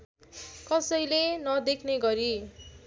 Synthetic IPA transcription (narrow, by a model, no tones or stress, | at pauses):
kʌsʌjlenʌd̪ekʰneɡʌɾi